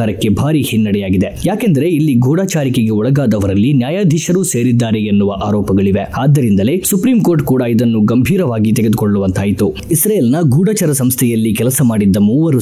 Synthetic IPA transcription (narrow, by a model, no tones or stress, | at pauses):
aːɾɐkːe̞bʱaːɾihinːɐɽɛjaːɡid̪e̞jaːkend̪ɐɾe̞ilːiɡʱuːɽaːt͡ʃaːɾikeɡe̞ɔɭɐɡaːd̪ɐʋɐɾɐlːinjaːjaːd̪ʱiʃɐɾuːse̞ːɾid̪ːaːɾeenːuʋɐʔaːɾɔːpɐɡɐɭiʋeaːd̪ːɐɾind̪ɐle̞supɾiːmkoɾʈkuːɽɐid̪ɐnːuɡɐmbʱiːɾɐʋaːɡit̪eɡed̪ukoɭːuʋɐnt̪ʰaːjit̪u | isɾaːjeːlnɐɡʱuːɽat͡ʃɐɾɐsɐmst̪ʰɛjɐlːikɛlɐsɐmaːɽid̪ːɐmuːʋɐɾu